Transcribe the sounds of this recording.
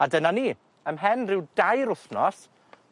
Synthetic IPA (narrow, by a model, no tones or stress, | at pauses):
adənaniː | əmɦɛnrɪwdajɾʊθnɔs